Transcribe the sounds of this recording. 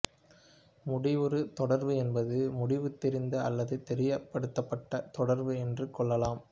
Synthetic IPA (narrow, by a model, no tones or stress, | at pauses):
mʊɽɪʋɔɾɯt̪ɔɽɐɾʋɯɛnbɐðɯmʊɽɪʋɯt̪ːɛɾɪnd̪ɯɐlːɐðɯt̪ɛɾɪjɐpːɐɽɯt̪ːɐpːɐʈːɐt̪ɔɽɐɾʋɯɛndrɯkɔɭːɐlaːm